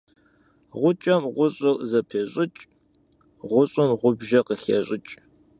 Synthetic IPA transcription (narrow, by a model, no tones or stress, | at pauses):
ʁʷʊt͡ʃʼɐmʁʷʊɕʼɨlzɐpʰeːɕʼɪt͡ʃʼ | ʁʷʊɕʼʊmʁʷʊbʒɐqəxeɕʼɪt͡ʃʼ